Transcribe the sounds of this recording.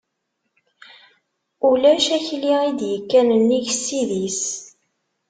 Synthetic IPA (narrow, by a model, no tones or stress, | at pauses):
ulæʃæçliid̪jəkːænənːiʝsːiðis